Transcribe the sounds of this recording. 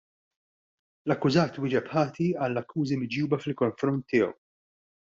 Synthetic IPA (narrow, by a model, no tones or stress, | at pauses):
lɐkːʊzɐːt̪wɪːd͡ʒɛpħɐːt̪iɐlːɐkːuːzimɪd͡ʒuːbɐfɪlkɔɱfɾɔnt̪ːɪːɔ̰w